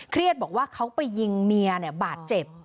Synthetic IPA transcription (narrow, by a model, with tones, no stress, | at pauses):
kʰɾi˥˩ət̪̚bɔː˨˩k̚waː˥˩kʰa˦˥wpa˧jːi˧ŋmi˧ɐni˨˩ɐbaː˨˩t̪̚t͡ɕe˨˩p̚